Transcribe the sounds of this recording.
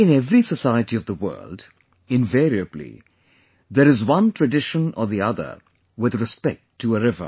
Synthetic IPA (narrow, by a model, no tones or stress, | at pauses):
ɨ̃nɛvɹisəsaɪɨɾiʌvðəwɜ̰˞lˠd | ɨ̃ɱvɛɹiɨblḭ | ðəɾɨzwʌ̃ntʰɹ̥ɨdɪʃə̃nə˞ðiʌðə̰˞ | wɪðɹɨspɛk̚tʰːəəɹɪvə̰˞